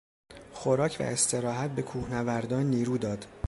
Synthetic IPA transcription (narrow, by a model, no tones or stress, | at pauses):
xo̞ɾɒːcʰvæ̰e̞st̪ʰe̞ɾɒːɦæt̪̚be̞kʰuːhnævæɾd̪ɒːnːiːɾuːd̪ɒːd̪̥